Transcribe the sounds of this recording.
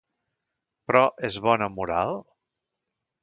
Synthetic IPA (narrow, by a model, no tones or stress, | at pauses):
pɾɔʔezβɔnəmuɾalˠ